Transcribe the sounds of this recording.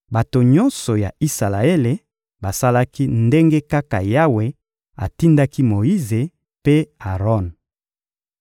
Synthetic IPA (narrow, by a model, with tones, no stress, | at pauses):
ba˨to˨ɲɔ˦nsɔ˨ja˨i˦sa˨la˨e˦le˨ | ba˨sa˦la˦ki˦nde˦ŋɡe˦ka˦ka˨ja˦we˨ | a̰˨ti˦nda˦ki˦mo˨ji˦ze˨ | pe˦a˨ʁɔ˦˨n